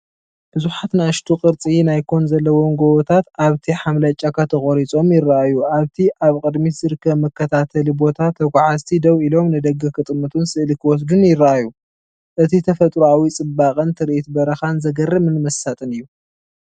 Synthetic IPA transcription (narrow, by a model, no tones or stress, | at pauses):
b̥ɨzuħat̪naʃt̪ʰuqʼɨɾt͡sʼinajkʰo̞nzɐlːɐwoŋɡowt̪ʰat̪aβt̪ʰiħamlɐt͡ʃʼakʰɐt̪ʰɐxʼoɾit͡sʼo̞mjɪrːaʔajuʔaβt̪ʰiʔaβkʼɨd̪mit̪z̥ɨɾɨkːɐβmɐkːɐt̪ʰat̪ʰɐlibo̞t̪ʰat̪ʰːɐkʷʰʼʕazt̪ʰid̪ɐwʔilo̞mnɨd̪ɐɡːɐkʰɨt̪ʼɨmːɐt̪ʰunsɨʔlikʰɨwɔs̬d̪unjɪrːaʔajːu | ʔɨt̪ʰit̪ʰɐfɐt̪ʼɾuawit͡sʼɨbakʼɐnt̪ʰɨɾʔit̪bɐɾɐxanzɐɡɐrːɐmɨnmɐsːat̪ʼɨnɨjːu